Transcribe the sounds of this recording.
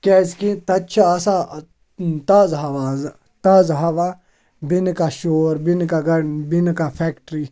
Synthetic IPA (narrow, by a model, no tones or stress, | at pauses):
kɛːskit̪ɐtːt͡ʃʰaːsa | t̪aːzɦaʋãːz | t̪aːzɦaʋã | bɪnkaʃoːɾbɪnkaɡɐnbɪnkapʰɛːkʈɾiː